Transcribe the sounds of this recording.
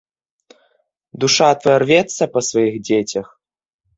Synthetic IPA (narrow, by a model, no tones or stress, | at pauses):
d̪uʂat̪vɐɐrvʲɛt̪sːɐpɐsvɐjiɣd͡zʲet͡sʲɐx